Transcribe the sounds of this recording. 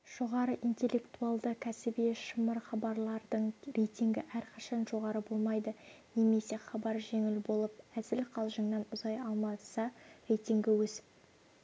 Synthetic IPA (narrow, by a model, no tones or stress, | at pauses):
ʒ̥o̞ʁɑɾəʔint̪ʲe̞lʲːe̞kt̪uɑlˠd̪əkʲʰæsɪbeʃəməɾχɑbɑɾlˠɑɾd̪əɴrejt̪ʲiŋɡʲɪ̰ʔæɾqʰɑʃɑnʒo̞ʁɑɾəbo̞lˠmɑjd̪əne̞me̞se̞χɑbɑɾʒe̞ŋɪlbo̞lˠəp̚æz̥ɪlqʰɑlˠʒəŋnɑnʊzɑjɑlˠmɑsɑrʲejt̪ʲiŋɡʲɪwɵsɪ̥p̚